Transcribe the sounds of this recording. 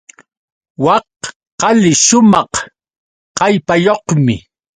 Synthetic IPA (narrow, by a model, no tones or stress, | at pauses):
wɑq | qɑlɪʃʊmɑq | qɑjpajoqmɪ